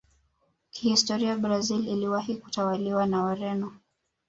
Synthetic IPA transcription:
kʰihistɔɾiabɾazililiwahiku̥tawaliwanawaɾɛnɔ

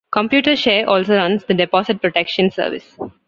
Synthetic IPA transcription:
kɔ̃mpjuːʈəɾʃeːɾʔɔːlsoːɾʌ̃nsd̪əɖepɔːsɪʈ̚pɾoʈekʃə̃nsə̰ːɾʋɪ̰s

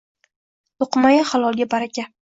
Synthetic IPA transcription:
oqmajaχalˠɒlˠɡʲabaɾakʲa

